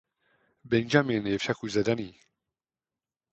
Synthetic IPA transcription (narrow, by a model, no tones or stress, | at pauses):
bɛnd͡ʒaːmeːnefʃakuzɛd̪aniː